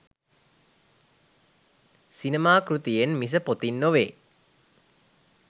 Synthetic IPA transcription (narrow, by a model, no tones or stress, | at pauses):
sinemaːkɾut̪ijenmis̬əpot̪inːoʋeː